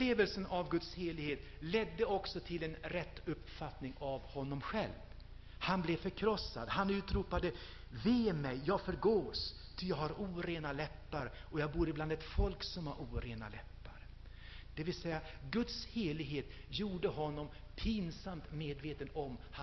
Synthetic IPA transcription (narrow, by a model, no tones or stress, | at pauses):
leːvəlsənʔavɡɵt̪sheːɭɪɡheːt̪ | lɛd̪ːəɔksɔt̪ʰɪlɛnɾɛt̪ːɵpːfat̪nɪŋavhɔnːɔmɧɛ̰lv | hanblɛfœɾkʰɾɔsːa̰d̪hanʉ̟ːt̪ɾuːpad̪ə | veːmɛjːɑːɡfœɾɡoːs | t̪ʰʏjɑːɡhaɾuːɾeːnalɛpːaɾɔjɑːɡ̚buːɾəɪbland̪ɛt̪fɔlksɔmhaɾʔuːɾeːna̰lɛpːaɾ | d̪̥ɛvɪlsɛjːaɡɵt̪sheːɭɪɡɦeːt̪juːɖəɦɔnːɔmpʰiːnsamt̪meːd̪veːt̪ənɔmha